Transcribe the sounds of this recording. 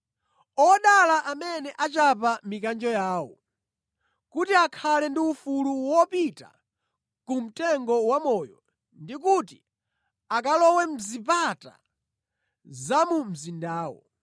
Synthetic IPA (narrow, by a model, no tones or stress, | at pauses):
ɔɗalaʔamɛnɛʔat͡ʃapamikand͡ʒɔjaːwɔ̰ | kutiakʰalɛndiufuluwɔpita̰ | kum̩tɛŋɡɔwamɔjɔ̰ | ndikuti | ak̬alɔwɛm̩zipata̰ | zamum̩zindaːwɔ̰